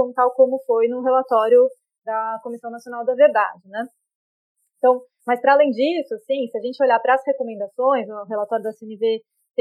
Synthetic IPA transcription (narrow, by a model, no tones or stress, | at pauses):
ɐ̃w̃t̪awkõmʊfojnʊɦelat̪ɔɾjʊ | d̪ɐkomisɐ̃w̃nasijonawd̪ɐveɾd̪a̰d͡ʒɪnɛ̃ | t̪ɐ̃w̃ | mɐspɾɐaːlẽj̃d͡ʒisʊasĩsɪaʒẽnt͡ʃɪoʎapɾɐːshekomẽnd̪asõj̃zʊɦelat̪ɔɾjʊd̪ɐseenɪve | t̪